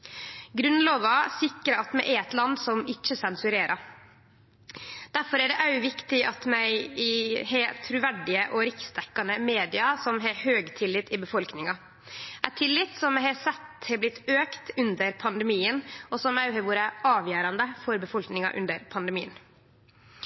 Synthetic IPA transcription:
ɡɾʉnloːʋɑsɪkɾəɑt̪mɛʔɛɾɛt̪lɑnd̪sɔmɪt͡ʃːəsɛnsʉɾeːɾʔɑ | d̪̥æɾfɔɾæɖɛʔæʉʋɪkt̪ɪʔɑt̪mæɪ | hɛt̪ʰɾʉʋæɖɪəʔɔɾɪksd̪ɛkːɑnəmeːd̪ɪɑsɔmɦɛhøːɡt̪ʰɪlːɪt̪ɪbəfɔlknɪŋɑ | ʔæt̪ʰɪlːɪt̪sɔmɛhɑsɛt̪hɛːblɪt̪ʰːøːkt̪ʉnd̪əɾpʰɑnd̪ɛmiːənɔsɔmæɦɛʋuːɾəʔɑːʋjæːɾɑnd̪əfɔɾbəfɔlknɪŋɑ̰ʔʉ̰nd̪əɾpʰɑnd̪ɛmiːən

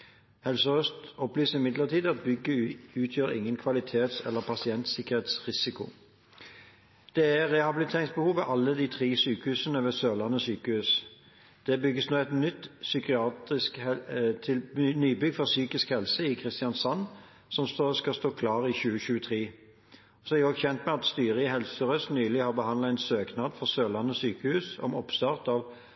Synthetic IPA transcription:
hɛlsəʁœst̪ɔplyːsəʁɪmɪd̪ləʁt̪ʰiːd̪əɑt̪̚bʏɡːəʉːt̪ʰjøːʁɪ̰ŋːənkʰʋɑlɪt̪ʰeːt̪sɛ̰lːəʁpʰɑsɪɛnt̪sɪkəʁheːt̪sʁɪsɪkʊ̰ | d̪̥ɛæʁɛhɑbɪlɪt̪ʰeːʁɪŋsbəhuːʋʋɛʔɑlːəd̪iːt̪ʰʁiːsyːkəhʉːsənəʋɛsøːlɑnɔsyːkəhʉːs | d̪̥ɛbʏɡːəsnuːɛt̪nʏt̪ːsʏkɪɑːt̪ʁɪskɛɪlnyːbʏɡfɔʁsyːkɪskhɛlsəɪkʰʁɪst̪ɪjɑnsɑnː | sɔmsoskɑst̪oːkʰlɑːʁɪçʉːəɕʉːət̪ʰʁiː | sɔɛɾɪɔɡçɛnt̪mɛɑt̪st̪yːɾəɦɛlsəʁœst̪nyːlɪhɑʁbəhɑnlt̪æɪnsøːknɑːd̪fɔʁsøːlɑnːɔsyːkəhʉːsɔ̰mɔpst̪ɑːʁt̪ɑʋ

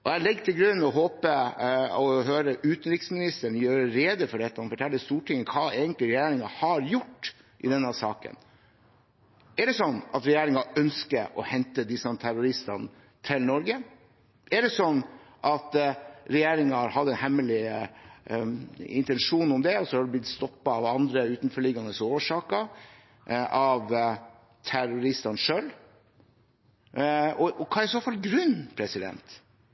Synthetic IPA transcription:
ʔɔjælɪɡt̪ʰɪlɡɾʉnːɔɦoːpəɔɦøːɾəʔʉːt̪ən̩ɾɪksmɪnɪst̪əɳjøːɾəɾeːd̪əfɔɖɛt̪ːəɑnfɔʈʰɛlːəst̪uːʈʰɪŋːəkʰɑːeːɡənt̪lɪɾɛjeːɾɪŋɑhɑɾjʊʈː | ʔɪ̰d̪ɛnːəsɑ̰ːkə̰n | æɖɛsɔnːɑ̰t̪ɾɛjeːɾɪŋɑœnskəʔɔhɛnt̪əd̪ɪsɑnt̪ʰæɾʊɾɪst̪ɑnə | t̪ʰɪlnɔɾɡə | ʔɛɖɛsɔnːʔɑt̪ɾɛjeːɾɪŋɑɾhɑd̪ːəɛnhɛmːəlɪ | ɪ̰nt̪ɛnʂuːnʊmd̪ɛɔsɔhɑɖ̪ɛblɪt̪st̪ɔpːɑɑʋɑnd̪ɾəʉːt̪nfɔɭɪɡɑnəsoːʋəʂɑːkəɾ | ʔɑʋ | t̪ʰæɾʊɾɪst̪ɑnʂøːl | ɔɔkʰɑːɾɪsoːfɑlɡɾʉnːpʰɾɛsɪd̪ɛ̰nt̪

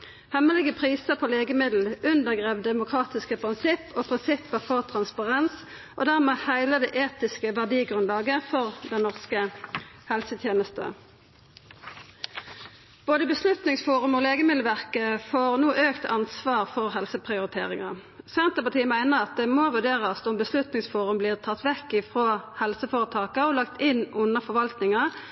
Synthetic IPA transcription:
hɛməlɪɡəpʰʁiːsəpʰoːleːɡəmɪd̪l̩ʉnd̪əʁɡʁeːʋd̪ɛmʊkʰʁɑːt̪ɪskəpʰʁɪnsɪpːoːpʰʁɪnsɪpːəʁfɔʁt̪ʰʁɑnspɑʁɛns | ʔo̰ːd̪æʁmeːhæɪləd̪ɛʔeːt̪ɪskəʋæʁd̪iːɡʁʉnlɑːɡəfɔʁd̪ɛnnɔʁskəhɛlsət̪ʰjeːnəst̪ə̰ | b̥oːd̪əbəslʉt̪nɪŋsfuːʁʉmoːleːɡəmɪd̪ləʋæʁkəfoːʁnuːʔøːkt̪ʰɑnsʋɑːʁfɔʁhɛlsəpʰʁɪʊʁɪt̪ʰḛːʁɪŋɑ̰sɛnt̪əpɑt̪ʰiːəmæɪnəʁɑt̪̚d̪ɛmoːʋʉɖeːʁəsʊmbəslʉt̪nɪŋsfuːʁʉmbliːʁt̪ʰɑt̪ːʋɛkːɪfʁoːhɛlsəfoːʁət̪ʰɑːkɑɔlɑkt̪ɪnʔʊnːəfɔʋɑlt̪nɪŋɑ

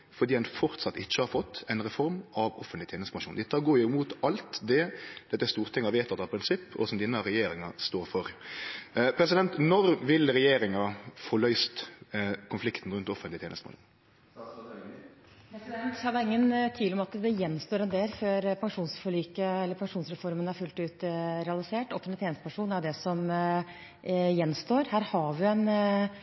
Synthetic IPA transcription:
fɔɾd̪iːdɛnfɔɾt̪sɑt̪ːɪçːəhɑɾfɔt̪ʰːɛɪnɾɛfɔɾmɑʋɔfənt̪lɪt̪ʰeːnəsəpɑŋʂuːnd̪ɛt̪ʰːɑɡoːɾjɪʊmuːt̪ɑlt̪d̪ɛd̪̥ɛt̪ːɛɾst̪uːʁt̪ʰɛŋːɑʋeːt̪ʰɑt̪ːɑpʰɾɪnsɪpːɔ̰sɔmd̪iːnəɾɛjeːɾɪŋɑst̪oːɾfɔɾ | pʰɾɛs̬ɪd̪ɛnt̪nɔɾʋɪlɾɛjeːɾɪŋɑfɔɾɭœʏst̪kʰʊnflɪkt̪n̩ɾʉnt̪ɔfənlɪt̪ʰeːnəst̪m̰l | pʰɾɛsd̪ɛnt̪hɑd̪ɑɪŋːənt̪ʰiːlɔmɑt̪d̪ɛjɛnːst̪oːɾɛnd̪eːlføːɾpʰɑŋʂuːnsfɔɭyːkəɛlːəɾpʰɑŋʂuːnsɾɛfɔɾmənæɾfʉlt̪ʉːt̪ɾɛɑlɪseːʈɔft̪ːət̪ʰeːnəst̪əpʰæʂuːnæɾd̪ɛsɔm | jɛnːst̪oːɾhæːɾhɑʋɪɛn

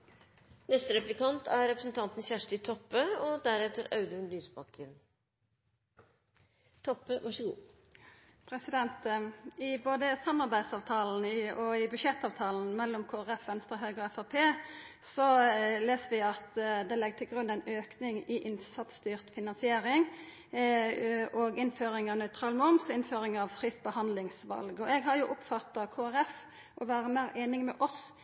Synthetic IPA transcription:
nɛst̪əɾɛplɪkɑnt̪ʰæɾɾɛpɾəsnt̪ʰɑnt̪n̩çæʂʈɪt̪ʰɔpːəɔd̪æɾɛt̪əɾɑʉd̪ʉʉnlyːsbɑkːəɾ | t̪ʰɔpːəʋɑʂəɡṵː | pʰɾɛsɪd̪ɛnt̪ɪboːd̪əsɑmɑɾbæɪd̪sɑːʋt̪ʰɑːln̩ɪɔɪbʉʃɛt̪ːɑːʋt̪ʰɑːln̩mɛlːɔmkʰoːæʁɛfʋɛnst̪ɾəɦøʏɡɔɛfɑpʰeː | sɔleːsəʋɪɑt̪d̪ɛlɛɡ̚t̪ʰɪlɡɾʉnːæɪnøːknɪŋɪʔɪnsɑt̪st̪yːʁt̪fɪnɑnsɪeːɾɪŋ | ɔɡɪnføːɾɪŋɑʋnœʏt̪ʰɾɑːlmʊmsɪnføːɾɪŋɑʋfʁiːsbəhɑnd̪lɪŋsʋɑ̰lɡɔɛɡɦɑɾjʊʔʊpfɑt̪ːɑkʰoːæɾɛf | ʔɔʋæːɾəmæːɾeːnɪŋmɛʔɔs

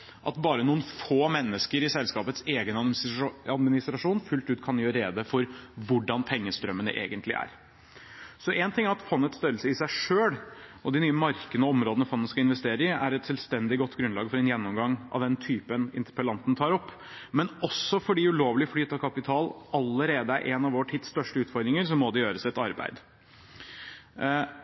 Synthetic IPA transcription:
ʔɑ̰t̪bɑːɾənuːənfoːmɛnːəskəɾɪsɛlskɑːpət̪seːɡən | ɑd̪mɪnɪst̪ɾɑʂuːnfʉlt̪ʉːt̪kʰɑnjøːɾɾeːd̪əfɔɾʋʊɖɑnpʰɛŋːəst̪ɾœmːənə̰ʔḛːɡənt̪ʰlɪ̰ʔæ̰ɾ | sɔʔɛːnt̪ɪŋːæɾɑt̪fɔnːət̪st̪œɾəlsəɪsæɪʂøːlʔɔd̪ɪnyːəmɑɾkənəɔɔmɾoːd̪ənəfɔnːəskɑɪnʋɛst̪eːɾəɪæɾɛt̪sɛlst̪ɛnd̪ɪɡɔt̪ːɡɾʉnlɑːɡfɔɾɛnjɛnːɔmɡɑŋːʔɑ̰ʋd̪ɛnt̪ʰyːpənɪ̰nt̪əɾpəlɑnt̪nt̪ʰɑːɾɔpː | mɛnɔsːɔfɔɖiʉloːʋlɪflyːt̪ɑkʰɑpɪt̪ʰɑːlɑlːəɾeːd̪əæɾʔɛːnɑʋɔʈʰɪt̪st̪œʂʈəʉːt̪fɔɾd̪ɾɪŋəɾsɔmːɔd̪ɛjøːɾəsɛt̪ɑɾbæ̰ɪd̪

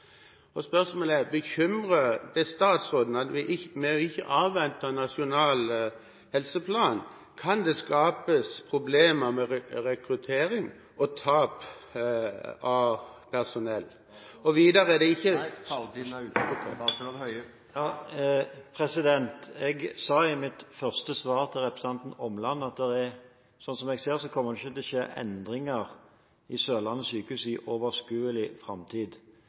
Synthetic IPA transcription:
ɔspœʁsmoːlɛʁbəçʏmʁəd̪ɛst̪ɑːt̪sʁoːd̪n̩ɑt̪ʋɪʔɪmɛɪçːəʔɑːʋːɛnt̪ənɑʂɪʊnɑːl | hɛlsəpʰlɑːn | kʰɑnd̪ɛskɑːpəspʰɾʊbleːməmɛɾɛkɾʉt̪ʰeːɾɪŋ | ɔt̪ʰɑːp | ɑpʰæʁsʊnɛlː | ɔʋiːd̪əɾɛd̪ɛɪçːəd̪ʉːɔh | jɑː | pʰɾɛsɪd̪ɛnt̪ɛɡsɑːɪmɪt̪fœʁst̪əsʋɑːɾt̪ʰɪlɾɛpɾəsɑnt̪n̩ɔmlɑnːɑt̪̚d̪ɛɾɛ | sɔnsɔmɛɡseːɾsɔkʰɔmːəd̪ɪçːət̪ʰɛlɔʃḛːʔɛ̰nd̪ɾɪŋəɾ | ɪsøːlɑnːəsyːkəʉːsɪʔoːʋəskʉːəlɪfɾɑmt̪ʰiːd̪

